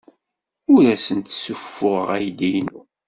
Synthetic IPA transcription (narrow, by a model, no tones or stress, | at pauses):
ʊɾæsənt̪sufːʊʁʁæjd̪ijnu